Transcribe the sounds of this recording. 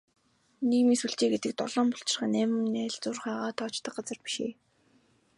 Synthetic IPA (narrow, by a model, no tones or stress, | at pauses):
niːɣmiːŋsuɮt͡ɕeːɡet̪ɘ̆k̚t̪ɔ̰ɮɔːmpʊɬt͡ɕɪ̆rχăːnæːm̆mnæːɮt͡sʊːrχaːʁaːt̪ʰɔːt͡ɕt̪ə̆qɢat͡sə̆rpi̥ʃḛː